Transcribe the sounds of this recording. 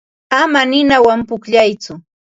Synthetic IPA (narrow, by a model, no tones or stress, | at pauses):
amanɪnawampʊkʎajt͡sʊ